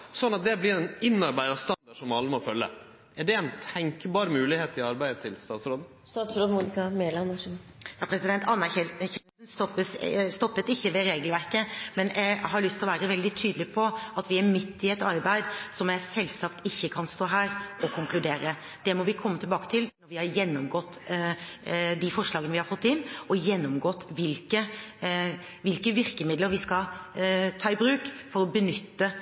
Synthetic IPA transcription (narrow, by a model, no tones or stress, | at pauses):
sɔnːɑt̪̚d̪ɛblɪɾɛnɪnːɑɾbæɪɑst̪ɑnd̪ɑɖʂɔmɑlːəmɔfœlːə̰ | ɛɖɛæɪnt̪ʰɛŋkəbɑːɾmʉːlɪheːt̪ɪɑɾbæɪd̪ət̪ʰɪlst̪ɑːt̪sɾoːd̪ | st̪ɑːt̪sɾoːd̪muːnɪkɑmeːlɑnʂnjɑːpʰɾɛsɪd̪ɛnt̪ʰɑnːɑɛçɛsnst̪ɔpːəsst̪ɔpːət̪ɪçːəʋɛɾeːɡəlʋæɾkəmɛnʔɛɡɦɑɾɭʏst̪ɪlɔʋæːɾəʋɛld̪ɪt̪ʰyːd̪lɪpʰɔɑt̪ʋɪæɾmɪt̪ːɪɛt̪ɑɾbæɪd̪sɔmjæsɛlːsɑkt̪ɪçːəkʰɑnst̪oːɦæːɾɔkʰʊŋklʉd̪eːɾə | d̪̥ɛmɔʋɪkʰɔmːət̪ʰɪlbɑːkə̥t̪ʰɪlnɔɾʋɪhɑɾjɛnːɔmɡɔt̪ː | d̪ɪfɔʂlɑːɡənəʋɪhɑɾfɔt̪ːɪnɔjɛnːɔmɡɔt̪ːʋɪlkə | ʋɪlkəʋɪɾkəmɪd̪ləɾʋɪskɑ | t̪ʰɑːɪbɾʉːkfɔɾɔbənʏt̪ːə